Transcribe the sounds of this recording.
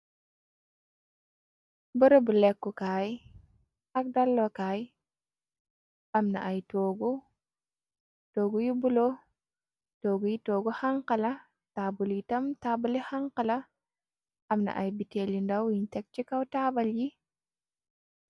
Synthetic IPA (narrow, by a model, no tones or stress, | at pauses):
bɔɾobulɛkːɔkaːj | ak̚dalːɔkaːj | ʔamna̰ʔajtɔɡɔ | toːɡujibulo | toːɡujitoːɡɔhaŋqala | tabuljitamtabulihaŋqala | ʔamna̰ʔa̰jbitelindawjintɛk̚t͡ʃikawtaːbalji